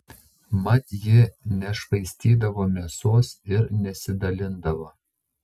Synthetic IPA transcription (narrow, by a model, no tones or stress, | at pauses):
mɐt̪ʲjɪnʲɛʃʋɐɪsʲt̪ʲiːd̪ɐʋoːmʲesoːsɪɾnʲɛsʲɪd̪ɐlʲɪnd̪ɐʋoː